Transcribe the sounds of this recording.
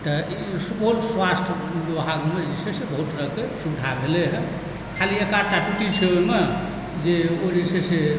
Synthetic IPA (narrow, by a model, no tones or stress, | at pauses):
t̪əisukulswasʈ̪ʰ | doɦaɡmed͡ʒisesebəɦut̪ɾəɦkesubd̪ʱabʱeleɦɛ̃ | kʰaliekaɾt̪aʈuʈit͡ʃʰeome | d͡ʒeod͡ʒisese